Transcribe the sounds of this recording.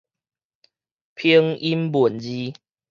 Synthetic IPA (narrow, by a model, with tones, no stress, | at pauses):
pʰi˦əŋi˦mbu˨˩ənd͡ʑi˦